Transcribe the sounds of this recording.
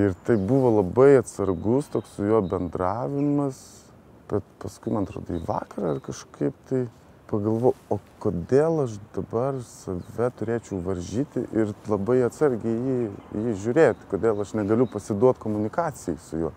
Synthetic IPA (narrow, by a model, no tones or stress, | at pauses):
ɪrt̪ɐɪbuʋoːlˠɐbɐɪɐt̪sɐɾɡʊst̪oːkssʊjoːbʲɛnd̪rɑːʋʲɪmɐs | b̥ʲɛt̪pɐskʊɪmɐnɐt̪ɾo̰ːd̪o̰ḭːʋɑ̰ːkɐɾɐɐrkɐʃkɐɪpt̪ɐɪ | pɐɡɐlˠʋoːʊoːkoːd̪ʲeːlˠɐʃd̪ɐbɐrsɐʋʲɛt̪ʊɾʲeːt͡ʃʲɛʊʋɐɾʲʒʲiːt̪ʲɪʔɪrlˠɐbɐɪɐt̪sɐɾʲɡʲɛjiːjiːʒʲʊːɾʲeːt̪ʲkoːd̪ʲeːlˠɐʃnʲɛɡɐlʲʊpɐsʲɪd̪uɔt̪koːmʊnʲɪkɑːt͡sʲɪjɛɪsʊjuː